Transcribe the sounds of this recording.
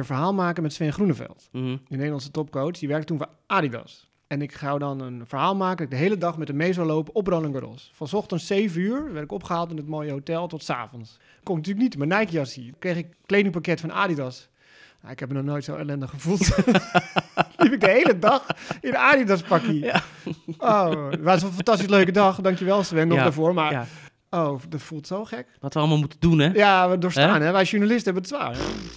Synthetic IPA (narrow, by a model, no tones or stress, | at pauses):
fəɹɦaːlˠmaːkənmɛtsʋɛnχrunəfɛ̰lˠtdəneːdəlɑnsətɔpkowsdiʋɛɹk̚tətunfɔ̰ | aːdidɑ̰s | ɛnɪksawdɔnənfəɹɦaːlˠmaːkəndɔtɪɡ̚dəɦejlədɑχmɛtənmejs̬awlowpəʔɔproləŋɡərɔ̰sfɑnsɔχtəntsejvənyːɹʋɛɹtɪkɔpχəɦaːlˠtɪnət̚moːjəɦowtɛlˠtɔtsa̰ːfɔns | kõnnət̬yːlək̚nitmənɛjkjɑsikrejχɪkklejdɪŋpakɛtfɔna̰ːdidɑs | na̰ɪkhɛp̚mənɔxnojtsoːḛlɛndəχxəfulˠt | lifɪk̚dəɦejlədɑxɪnəaːdidaspaki | owʋasənfantastisløːkədɑxdɑŋkjəʋɛlˠsʋɛnɔxdəfoəɹmar | owdɔtfulˠtsoːxɛkʋɔtʋəɔlˠmalˠmutədunɛjaʋədoːrstaːnɦɛʋɛjʃuɹnalɪstəɛbənəsʋa̰ːr